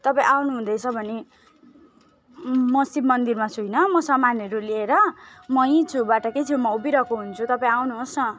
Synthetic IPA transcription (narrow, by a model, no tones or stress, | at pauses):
t̪ʌpaĩʔawnuɦũd̪ʌjt͡sʰʌbʱʌne | mʌsibmʌnd̪irmat͡sʰujnʌmʌsʌmanʌɾulieɾʌmʌĩt͡sʰubaʈʌket͡sʰijõmʌubiɾʌkoɦunt͡sʰut̪ʌpãĩawnuɦosnʌ